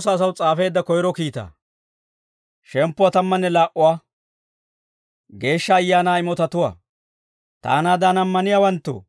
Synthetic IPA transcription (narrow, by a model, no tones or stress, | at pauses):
sɐːs̬ɐwt͡sʼaːfe̞ːd̪ːɐkɔjɪɾɔkiːt̪a̰ː | ʃɛmpːʊwat̪ɐmːɐnːɛlaːʔʊwaː | ɡe̞ːʃːɐːjːaːnaːɪmɔt̪ɐt̪ʊwa̰ː | t̪a̰ːnaːd̪anɐmːɐnɪjawɐnt̪ːo̰